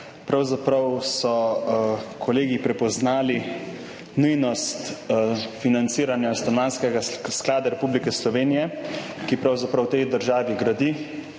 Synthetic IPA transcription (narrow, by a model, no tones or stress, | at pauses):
pɾawzapɾɐwsɔ | kʰɔleːɡipɾɛpɔznaːli | nujnɔst̪ | finant̪siːɾanjast̪ɔnmaːnskɛɡasklaːd̪aɾɛpublikɛslɔʋeːnijɛkipɾawzapɾɐwt̪ɛjd̪əɾʒaːʋiɡɾad̪i